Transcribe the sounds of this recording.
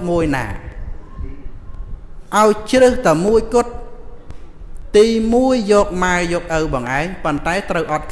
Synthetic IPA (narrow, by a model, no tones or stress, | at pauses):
muəjna̰ː | ʔaɔjt͡ɕrɨht̪amuəjkʊ̆ət̪̚ | t̪iːmuəjːɔːk̚maəjɔːk̚ʔəwɓɑːŋʔaɛŋpont̪aɛt̪rəwʔɑt̪̚kʰ